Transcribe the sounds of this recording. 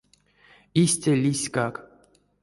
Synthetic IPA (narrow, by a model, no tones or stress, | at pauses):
isʲtʲalʲisʲkak